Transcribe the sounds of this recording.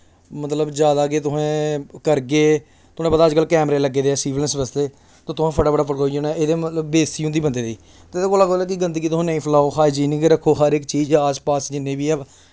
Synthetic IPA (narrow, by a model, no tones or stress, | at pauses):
mət̪ləbd͡ʒjaːd̪aːkeːt̪̬ʊɦẽːkəɾɡeː | t̪ʊẽːbəd̪aːd͡ʒkəlkɛːmɾeːləɡːeːd̪eːɛːsiːʋlənsbəst̪eː | t̪õːt̪ʊãːpʰəɖaːbəɽaːpʰəɽoːid͡ʒõːnɛːʔeːd̪eːmət̪ləbːeːiːɦõnd̪iːbənd̪eːd̪iː | t̪ed̪eːkoːlaːɡoːlɛːkɪɡənd̪kit̪ʊɦẽːnəĩːpʰəlaːoːxaːɪd͡ʒiːnĩːkeɾəkʰːoːɦəɾɪkt͡ʃiːd͡ʒaːspaːsd͡ʒɪnːẽːbiːɛː